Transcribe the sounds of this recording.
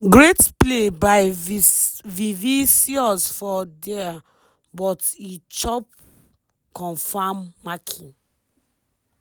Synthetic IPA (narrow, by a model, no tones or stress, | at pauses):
ɡɹetplebaɪ | vivisiɔsfɔdɛa | bɔtit͡ʃɔp̚ | kɔ̃nfamːakʰĩ